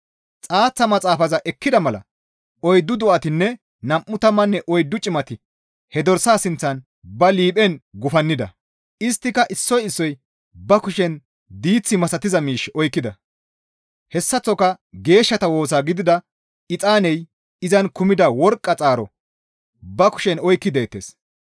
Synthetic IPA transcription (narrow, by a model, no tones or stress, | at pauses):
t͡sʼaːt͡sːɐmɐt͡sʼaːfɐzɐʔɛkːɪd̪ɐmɐlɐ̰ | ɔjd̪ːʊd̪ɔʔɐt̪ɪnːɛ | nɐmːʊt̪ɐmːɐnːɛʔɔjd̪ːʊt͡ʃʼɪmɐt̪ɪ | hɛd̪ɔɾsaːsɪnt͡sːɐn | bɐliːpʼɛnɡʊfɐnːɪd̪ɐ̰ | ɪst̪ːɪkɐʔɪsːɔjɪsːɔj | bɐkʊʃɛn | d̪iːt͡sːɪmɐsɐt̪ɪzɐmiːʃɔjkːɪd̪ɐ | hɛsːɐt͡sːɔkɐ | ɡe̞ːʃːɐt̪ɐwo̞ːs̬aːɡɪd̪ɪd̪ɐ | ɪt͡sʼaːnɛj | ɪzɐnkʊmɪd̪ɐwɔɾkʼːɐt͡sʼaːɾɔ | bɐkʊ̥ʃɛnɔjkːɪd̪e̞ːt̪ːḛːs